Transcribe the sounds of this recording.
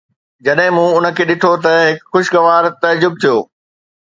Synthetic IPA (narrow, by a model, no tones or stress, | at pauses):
d͡ʑɐɗɦɪ̃mũʊnə̆kʰeːɗɪʈʰot̪ɐɦɪkxʊʃɡɐʋaːɾt̪ɐd͡ʑʊb̚t̪ʰijoː